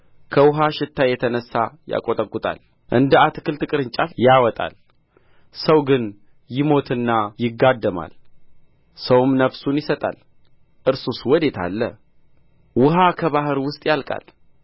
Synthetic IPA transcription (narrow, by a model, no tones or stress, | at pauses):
kʰəwʊɦaʃɪt̪ːajɛt̪ʰənəsːaja̰kʼot̪ʼəkʼːut̪ʼa̰l | ʔɨnd̪əat̪ɨkɨlt̪ʰɨkʼɨɾɨɲt͡ʃʼafjawɔt̪ʼa̰l | səwɡɨn | jɪmo̞t̪ʰɨnːajɪɡːad̪ːəma̰l | səwmnəβsunjɪsət̪ʼa̰l | ʔɨɾsuswɔd̪e̞t̪ʰa̰lːə | wʊɦakʰəβaɦɨɾwʊst̪ʼjalkʼa̰l